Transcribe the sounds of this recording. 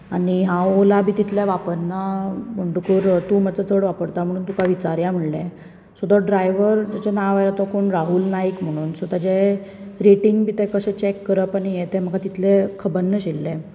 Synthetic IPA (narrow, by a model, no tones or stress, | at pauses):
aɽiɦãwolabʱiːt̪it̪ʰlɛʋapəɾnam̤əɳʈukuːɾt̪umət͡sət͡səɽʋapəɾt̪am̤əɽ̃uːnt̪ukaʋit͡ɕaɾjãm̤əɽlɛ | sud̪ɔɖɾajʋəɾd͡ʑat͡ɕanaʋaɾat̪ɔkoɳɾaɦulnaikm̤əɽ̃uːnsut̪ad͡ʑeɾeʈiŋɡbʱiːt̪ɛkəɕɛ̃t͡ɕekːəɾəpanijet̪ɛm̤əkat̪it̪ʰlɛkʰəbənːəɕelːɛ̃